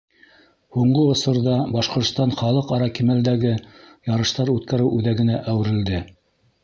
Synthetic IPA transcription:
huɴɢɤŏsɤ̆ɾðɑbɑʃqŏɾt̪st̪ɑnχɑlˠɤqɑɾɑkimæld̪æɡɘjɑɾɤ̆ʃt̪ɑɾʉt̪kæɾɘwʔʉðæɡɘ̆næʔæwɘ̆ɾɘ̆ld̪ɘ

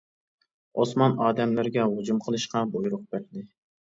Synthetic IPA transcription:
osmɑnɑːd̪ɛmlɪɾɡʲɛhud͡ʒumqʰəlˠɨʃqɑbojɾʊq̚bæɾd̪ɪ

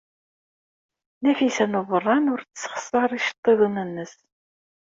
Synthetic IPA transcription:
næfisænuvərˤːɑnʊɾt͡ssχə̥sɑɾˤiʃə̥t̪ˤːeðˤənənːəs

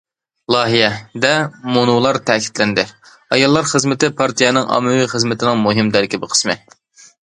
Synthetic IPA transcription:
lˠɑːɦijɛd̪ɛmonulˠɑɾt̪ʰɛkʲʰi̥t̪lɛnd̪ɪ | ɑjɑlˠːɑɾχəzmɪt̪ɪpʰɑɾt̪ʰijɛnɪŋʔɑ̰mːɨwiχəzmɪt̪ʰɪnɪŋmuɦɪmd̪æɾkʲɪbɪqʰə̥smɪ

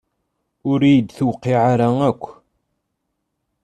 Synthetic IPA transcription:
ʊɾijəd̪θwqːiʕaɾaækʷː

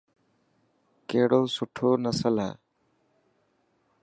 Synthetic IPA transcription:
keɽɔsuʈʰonasala̰

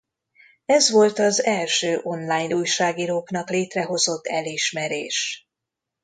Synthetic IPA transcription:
ɛzʋo̞lt̪ɒzɛlʃøːʔo̞nlaːjnuːjʃaːɡiːɾoːknɒkleːt̪rɛɦo̞zo̞t̪ːɛliʃmɛɾeːʃ

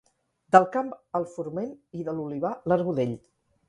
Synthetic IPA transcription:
d̪əlˠkampəlˠfuɾmeniðəluliβaləɾɣuðeʎ

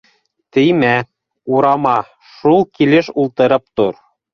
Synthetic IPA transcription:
t̪ɘ̆jmæ | uɾɑmɑ | ʃulˠkilɘʃulˠt̪ɤ̆ɾɤp̚t̪uɾ

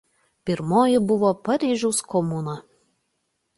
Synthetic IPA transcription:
pʲɪɾmoːjɪbʊʋoːpɐɾʲiːʒʲɛʊskɔmunɐ

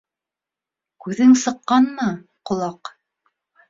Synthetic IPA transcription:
kʉðɘŋsɤ̆qːɑnmɤ | qŏlˠɑq

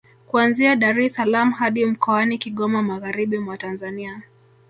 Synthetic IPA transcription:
kuanziaɗaɾɛsalamuɦaɗim̩kɔanikiɠɔmamaɣaɾiɓimwatanzania

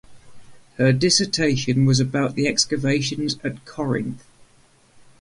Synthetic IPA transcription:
hədɪsətʰeɪʃə̃nwɒzəbaʊʔðiɛkskəveɪʃə̃nzəʔkʰɒɹɪ̰̃nθ

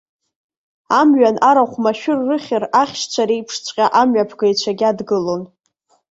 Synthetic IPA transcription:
amɥanʔaɾaχʷmaʃᶣʊrːɨχʲɪraχʲʃt͡ɕʷʰaɾejpʰʂt͡sʷʰʼqʲʼaʔamɥapʰɡajt͡ɕʷʰaɡʲadɡɨlo̞n

